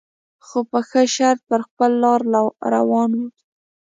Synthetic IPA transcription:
xopəxəʃaɾt̪̚pəɾxpəlːɑɾɾa̰wɑnwu

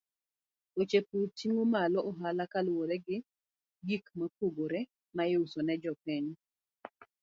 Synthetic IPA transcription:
ot͡ʃeputiŋomalɔʔɔɦalakalwoɾɛɡɪ | ɡikmak̚oɡoɾe | maɪusɔnɛd͡ʒɔpɛɲ

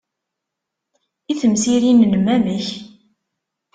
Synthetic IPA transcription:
iθəmsiɾinnmːæməç

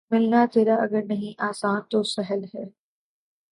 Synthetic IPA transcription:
mɪlnat̪eːɾaɐɡəɾnɐɦĩʔaːsaːnt̪osɐɦəlɦɛː

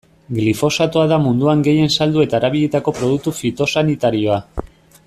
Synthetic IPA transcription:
ɡlifo̞sat̪oaðamund̪uaŋɡe̞je̞nsald̪ue̞t̪aeɾaβiʎet̪ako̞pɾo̞ð̞uk̚t̪ufit̪o̞sanit̪aɾio̞a

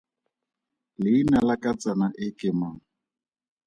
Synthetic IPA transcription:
lɪinalakat͡sʼanaʔɪkɪmaŋ̩

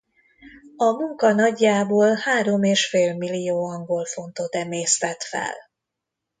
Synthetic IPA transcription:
ɒmuŋkɒnɒɟːaːboːlhaːɾomeːʃfeːlmilːijoːɒŋɡo̞lfo̞nt̪o̞t̪ɛmeːst̪ɛt̪fɛ̰l

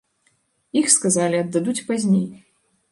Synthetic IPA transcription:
ixskazalʲiɐd̪ːad̪ut͡sʲpazʲnʲej

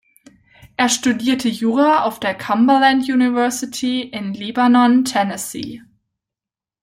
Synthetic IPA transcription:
ʔeːɐʃtudiːɐtʰəjuːʁaʔaʊfd̥eːɐkʰambəlãntjuːnɪvɜɐsɪtʰiɪnlibanɔntʰɛnɛsḭː

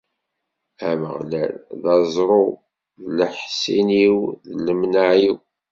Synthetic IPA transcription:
æmə̰ʁlæ̰lðɑzˤɾˤo | ðləħsiniwðlːəmnaʕiw

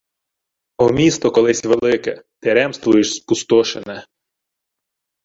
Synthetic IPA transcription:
ɔmʲist̪ɔkɔlˠɪsʲʋelˠɪkɛ̰t̪ɪɾɛmst̪ʋʊjɪʃskʊst̪ɔʃenɛ

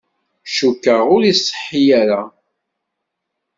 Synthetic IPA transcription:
ʃukːəʁʊɾisˤːə̥ħːijæɾa

